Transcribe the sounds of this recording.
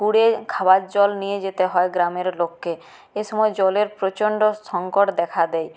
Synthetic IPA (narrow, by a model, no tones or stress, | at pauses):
kuɽekʰabatd͡ʑɔlnijed͡ʑet̪eɦɔeɡɾameɾlokːe | eʃɔmɔed͡ʑɔleɾpɾot͡ɕoɳɖoʃɔŋkoʈd̪ɛkʰad̪ɛj